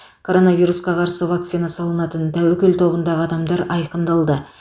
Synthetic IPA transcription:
kʰo̞ɾo̞navʲijɾusqɑqʰɑɾsəvak̚t̪sijnɑsɑlˠənɑt̪ənd̪æwɵkʲɪlt̪ʰo̞bənd̪ɑʁəɑd̪ɑmd̪ɑɾɑjqənd̪ɑlˠd̪ə

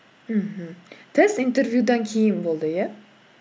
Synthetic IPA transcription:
m̩ɦ̩t̪ʰest̪int̪ʰeɾvjud̪ankʲʰejɪnbolˠd̪ɪja

